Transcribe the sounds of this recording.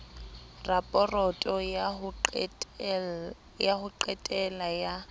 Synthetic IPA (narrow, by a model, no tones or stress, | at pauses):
rapʼɔrɔtʼɔ | jahʊǃɛtʼɛlaja